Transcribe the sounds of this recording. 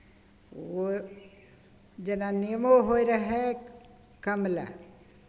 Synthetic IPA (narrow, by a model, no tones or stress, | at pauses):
o | d͡ʒənanijmoɦoiɾəɦe | kəmla̰